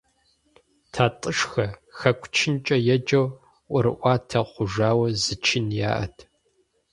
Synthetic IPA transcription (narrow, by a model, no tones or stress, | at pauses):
tʰaːtʼɨʂxɐxɐkʷʰʼt͡ʃʰɪnt͡ʃʼɐjɛd͡ʒɐw | ʔʷʊɾɨʔʷɑːtʰɐqʷʊʒaːwɐzɨt͡ʃʰɪnja̰ːʔɐ̰tʰ